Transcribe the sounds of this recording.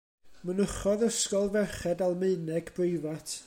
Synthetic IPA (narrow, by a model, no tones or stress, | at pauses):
mənəχɔðəskɔlˠvɛrχɛdalˠmɨɨnɛɡb̥rɪɨvatʰ